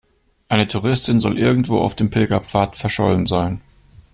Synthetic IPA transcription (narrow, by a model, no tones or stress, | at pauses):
ʔaɪnətʰuʁ̞ɪstɪnzɔlʔɪɐɡŋ̩tv̥o̰ːa̰ʊfd̥eːmpʰɪlɡɐpp͡faːɐtfɛɐʃɔ̰lən̩zaɪn